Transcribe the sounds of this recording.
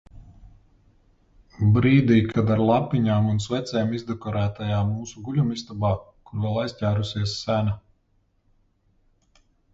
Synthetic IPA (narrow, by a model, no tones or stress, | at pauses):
bɾiːd̪iːkʰad̪aɾlˠapːiɲaːmunsvɛt̪sɛːmizd̪ɛkɔɾæːt̪ajaːmuːsuɡulʲumist̪abaː | kuɾvɛlˠajsʲcʲæːɾusiɛsːæna